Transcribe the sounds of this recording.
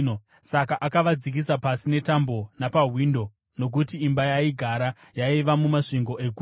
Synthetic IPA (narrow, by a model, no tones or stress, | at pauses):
sakaʔakaʋad͡zik̬isapasine̞tambo̞napaɦwindo̞ | no̞k̬utiːmbajaiɡʱaɾa | jaiʋamumaʂiŋɡo̞ʔe̞ɡʱu